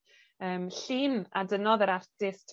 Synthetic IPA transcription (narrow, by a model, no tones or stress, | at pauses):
əːmɬiːnadənɔðəɾartɪstʰ